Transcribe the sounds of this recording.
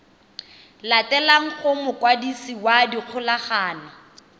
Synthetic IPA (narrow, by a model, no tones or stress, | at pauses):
latɛlaŋ̩χʊmʊkʼwadisiwadiq͡χʰʊlaχaːna